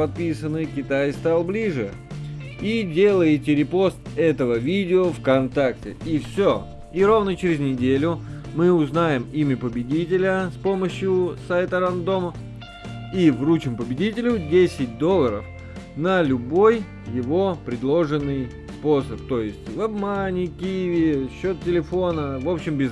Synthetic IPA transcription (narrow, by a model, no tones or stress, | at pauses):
pɐt̪̚pʲisənːɨkʲɪt̪ajst̪alˠblʲiʐɨ | idʲelˠəjɪtʲɪɾʲɪpo̞st̪ɛt̪əvəvʲidʲɪofkɐnt̪ak̚tʲɪ̰ifsʲo | iɾovnət͡ɕɪɾʲɪznʲɪdʲelʲʊmɨʊznajɪmimʲəpəbʲɪdʲit̬ʲɪlʲəspo̞məɕjʊsajt̪əɾɐnd̪o̞mə | ivrut͡ɕɪmpəbʲɪdʲitʲɪlʲʊdʲesʲɪt̚ʲd̪o̞lˠːəɾə̰f | nəlʲʊbo̞j | jɪvo̞pɾʲɪd̪lˠo̞ʐɨnːɨj | spo̞səp̚t̪o̞jɪsʲtʲvɐbmanʲɪkʲijɪvʲɪɕːo̞t̪̚ʲtʲɪlʲɪfo̞nəvo̞pɕɪmbʲɪz